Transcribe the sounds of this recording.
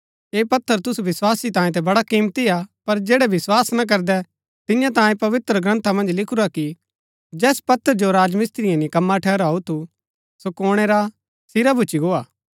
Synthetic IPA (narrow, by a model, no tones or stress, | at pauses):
eːpɐt̪ʰːəɾt̪ʊsuʋɪswaːsit̪ãːjẽt̪̬ɛbɐɽakiːmt̪iapɐɾd͡ʒeːɽɛbɪswaːsnak̬ɐɾd̪ɛ | t̪ɪ̃jãt̪ãːjẽpɐʋɪt̪ɾəɡɾɐ̃nt̪ʰamɐ̃nd͡ʒlɪkʰʊɾaki | d͡ʒɛːspɐt̪ʰːəɾd͡ʒoɾaːd͡ʒmɪst̪ɾɪjãnikɐmːaʈʰɛːɾaːut̪ʰu | sokɔːɽ̃ɛɾa | sɪɾabʱut͡ʃiɡoːaː